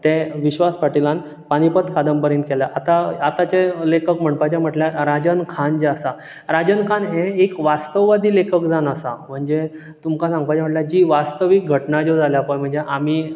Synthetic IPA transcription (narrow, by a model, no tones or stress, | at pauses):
t̪eʋiɕʋaspaʈilãn | paɽ̃ipət̪kʰad̪əmpəɾẽnt̪kɛljaʔat̪aːt̪at͡ɕelekəkm̤əɳpat͡ɕam̤əʈljaɾɾad͡ʑənkʰand͡ʑeasa | ɾad͡ʑənkʰanɦẽekʋast̪əʋʋad̪iːlekʰəkd͡zanəsam̤əɳd͡ze | t̪umkasãŋɡ̚əpajt͡ɕaməʈljad͡ʑiːʋast̪əʋik̚ɡʱəʈnad͡ʑod͡zʱaljapəjm̤əɳd͡zeʔamiː